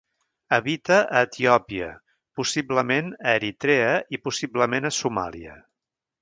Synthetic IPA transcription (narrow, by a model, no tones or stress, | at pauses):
əβit̪əəːt̪iɔpiə̰ | pusibləmenəːɾit̪ɾeəipusibləmenəsuma̰lˠḭə̰